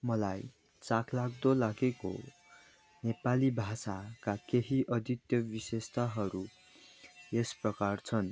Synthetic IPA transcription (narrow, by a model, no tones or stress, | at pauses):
mʌlaj | t͡sakʰlak̚ʰd̪olaɡeko̰ | nepalibʱasakakeɦiʔʌd̪ʱit̪jʌbisest̪aɦʌɾu | esprʌkart͡sʰʌn